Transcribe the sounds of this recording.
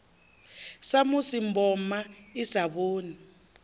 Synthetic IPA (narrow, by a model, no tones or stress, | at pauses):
samusimbʱɔmaizaɓoːni